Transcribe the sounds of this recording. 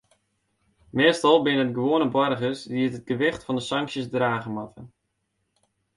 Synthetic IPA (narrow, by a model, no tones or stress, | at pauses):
mɪəstɑlˠbɪnəədɡəʋoənəbɔrɣəsdiətət̚ɡəʋɪxtfɔndəsɑŋksjəsdraːɣəmatə